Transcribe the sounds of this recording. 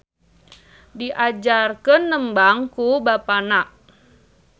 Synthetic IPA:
diʔad͡ʒarkənːəmbaŋkubapanaʔ

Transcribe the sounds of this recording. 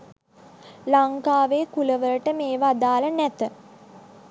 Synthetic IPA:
laŋkaːʋeːkuləʋələʈəmeːʋad̪aːlənæt̪ə

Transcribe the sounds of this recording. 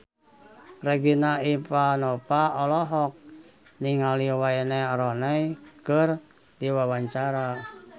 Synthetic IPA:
reɡinaipanɔpaɔlɔɦɔk̚ | niŋaliwaɛnɛɔɾɔnɛjkər | diwawaɲt͡ʃaɾa

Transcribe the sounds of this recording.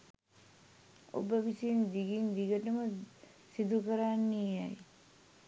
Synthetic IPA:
o̰bəʋisend̪iɡind̪iɡəʈəmə | sid̪ukəɾanːiaj

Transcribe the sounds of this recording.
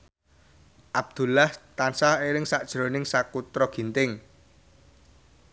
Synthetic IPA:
ʔab̚d̪̥ṳlaht̪ansaheɾɪŋsaʔd̥ʒ̥ɾo̤nɪŋsakut̪ɾɔɡ̥i̤nt̪ɪŋ

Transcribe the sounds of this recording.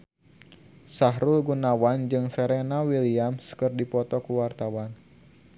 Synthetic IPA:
saɦɾulɡunawand͡ʒɨŋsɛɾɛnawiliamskɨrdipɔt̪ɔkuwart̪awan

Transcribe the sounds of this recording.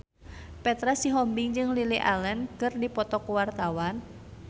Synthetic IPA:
pɛt̪ɾasiɦɔmbiŋd͡ʒɨŋliliʔalɛnkɨrdipɔt̪ɔkuwart̪awan

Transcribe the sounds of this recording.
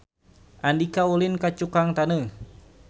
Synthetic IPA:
ʔandikaulinkat͡ʃukaŋt̪anə

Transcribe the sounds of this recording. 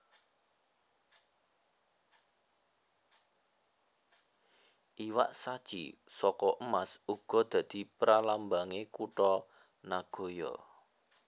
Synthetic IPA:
ʔiwa̰ʔsad̥ʒ̥ḭsɔkɔʔəmasuɡ̥ɔ̤d̪̥ä̤d̪̥i̤pɾalambaŋekuʈɔ | naɡ̥o̤jɔ̰

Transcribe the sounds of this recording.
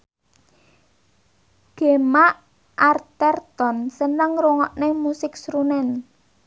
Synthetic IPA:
ɡ̥e̤maʔ | ʔart̪ɛrt̪ɔnsənəŋruŋɔʔnemusɪk̚sɾunɛn

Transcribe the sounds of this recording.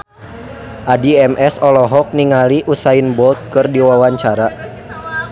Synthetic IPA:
ʔadiɛmʔɛsɔlɔɦɔk̚niŋaliʔusainbɔlt̪̚kɨrdiwawaɲt͡ʃaɾa

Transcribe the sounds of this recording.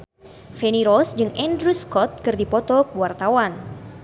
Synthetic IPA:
fɛniɾɔsd͡ʒɨŋɛndɾuskɔt̪̚kɨrdipɔt̪ɔkwart̪awan

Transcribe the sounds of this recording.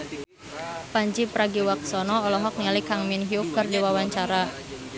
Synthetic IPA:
paɲt͡ʃipɾaɡiwak̚sɔnɔɔlɔɦɔk̚nialikaŋminɦiuk̚kərdiwawaɲt͡ʃaɾa

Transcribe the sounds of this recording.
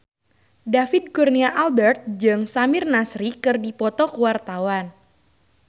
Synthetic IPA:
dafɪd̪̚kurniaʔalbɛrt̪̚d͡ʒɨŋsamɪrnasɾikɨrdipɔt̪ɔkuwart̪awan

